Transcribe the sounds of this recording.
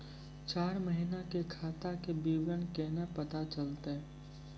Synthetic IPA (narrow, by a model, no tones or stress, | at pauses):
t͡ʃaːɾməɦinakekʰaːt̪akebiːwjənkeːnapɐt̪at͡ʃəlt̪eɦɛ